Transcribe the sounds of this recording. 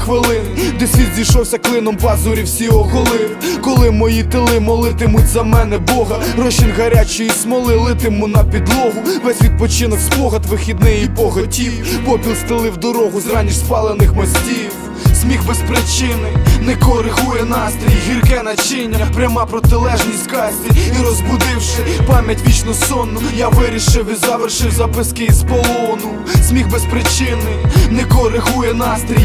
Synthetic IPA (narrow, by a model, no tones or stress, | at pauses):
xʋɪlˠɪnɪd̪efʲit̪zʲijʃɔwsʲɐklˠɪnɔmpɑzʊɾʲiwsʲiɔɦɔlˠɪwkɔlˠɪmɔjit̪ɪlˠɪmɔlˠɪt̪ɪmʊtʲzɐmɛnɛbɔɦɐrɔʃinʲɣɐɾʲat͡ʃijismɔlˠɪlˠɪt̪ɪmʊnɐpʲid̪lˠɔɦʊʋɛsʲʋʲid̪̚pɔt͡ʃɪnɔkspɔɦɐt̪ʋɪxʲid̪nɪjibɔɦɔtʲijpɔpʲilʲˠst̪ɪlˠɪwd̪ɔɾɔɦʊzɾɑnʲiʃspɑlˠenɪxmɐsʲtʲiw | sʲmʲixbespɾɪt͡ʃɪnɪnɛkɔɾɪɦujɛnɑst̪ɾʲijɦʲirkɛnɐt͡ʃɪnʲːɐɐpɾʲɐmɑpɾɔt̪ɪlˠɛʒnʲisʲt̪ʲkɑsʲtʲiiɾɔzbʊd̪ɪwʃɪpɑmʲjɐtʲʋʲit͡ʃnɔsɔnːʊjaʋɪɾʲiʃɪwizɐʋerʃɪwzɐpɪskɪispɔlˠɔnʊ | sʲmʲixbespɾɪt͡ʃɪnɪnɛkɔɾɪɦujɛnɑst̪ɾʲij